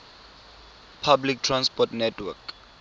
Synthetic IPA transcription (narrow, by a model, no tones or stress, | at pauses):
pʰabliktʰrãnspɔtnɛtʰwɛk